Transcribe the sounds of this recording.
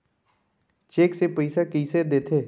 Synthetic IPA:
t͡ʃeːksepəɪsakəɪsed̪eːt̪ʰeː

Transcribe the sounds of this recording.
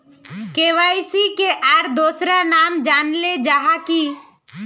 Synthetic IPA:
keːʋaːɪsikeʔaːɾd̪oːsɾanaːmd͡ʒaːnled͡ʒaːɦaki

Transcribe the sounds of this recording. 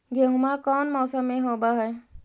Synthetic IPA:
ɡeɦʊmakɔnmɔːsəmːeɦoːbaɦɛj

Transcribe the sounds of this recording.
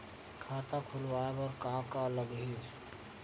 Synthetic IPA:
kʰaːt̪ãkʰulʋaːebɔɾkaːmkaələɡɦi

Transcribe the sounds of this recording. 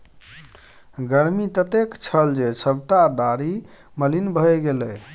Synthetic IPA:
ɡəɾmit̪ət̪ekt͡ʃʰəld͡ʒesəbʈad̪aɾi | məlinbʱəjɡeləj

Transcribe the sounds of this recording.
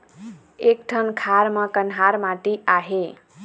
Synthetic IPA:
ek̚ʈʰʌnkʰaɾmʌkənɦaɾmãʈ̪iʔaɦe

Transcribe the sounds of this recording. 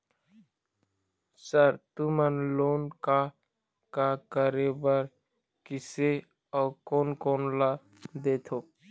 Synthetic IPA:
səɾt̪umənloːnka | kakəɾebəɾ | kɪse | ɔːkoːnkoːnla | d̪eːt̪ʰoː

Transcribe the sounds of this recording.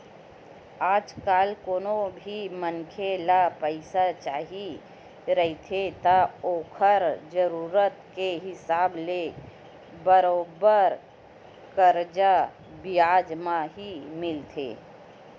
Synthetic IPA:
aːd͡ʒkaːlkoːnobʱimənkʰelapəɪsat͡ʃaːɦi | ɾəɦit̪ʰet̪aoːkʰəɾd͡ʒəɾuːɾət̪keɦɪsaːble | bəɾoːbəɾ | kəɾd͡ʒa | bɪjaːd͡ʒmãɦimɪlt̪ʰḛː

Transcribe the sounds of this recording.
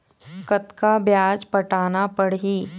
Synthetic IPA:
kət̪kabjaːd͡ʒpɐʈaːnapəɽɦiː

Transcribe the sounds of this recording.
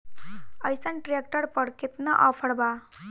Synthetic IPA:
əjsəɳʈɾek̚ʈəɾpəɽkit̪naʔafʰəɽba

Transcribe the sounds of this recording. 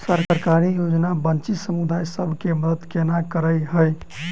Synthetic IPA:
səɾkəɾkaɾijod͡ʒnabənt͡ʃisəmud̪ajsəbʱkeməd̪əd̪kenakəɾəjɦəj

